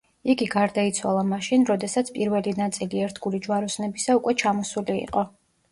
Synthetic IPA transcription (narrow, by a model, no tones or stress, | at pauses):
iɡiɡaɾd̪ait̪sʰwa̰lˠamaʃinɾɔd̪ɛsat̪sʰpʼiɾvɛlinat̪sʼiliɛɾt̪ʰɡulid͡ʒwaɾɔsnɛbisaukʼwɛt͡ʃʰamɔsuliḭqʼɔ